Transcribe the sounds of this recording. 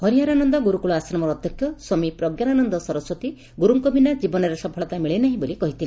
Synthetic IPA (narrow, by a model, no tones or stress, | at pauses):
hɔɾijaɾanɔnd̪ɔɡuɾukuɭɔasɾɔmɔɾːd̪ʱjɔkʰjɔsɔmipɾɔɡjananɔnd̪ɔsɔɾɔswɔt̪i | ɡuɾuŋkɔbʱinad͡ʒibɔnɔɾesɔpʰɔɭɔt̪amiɭenaɦĩbolikɔɦit̪ʰile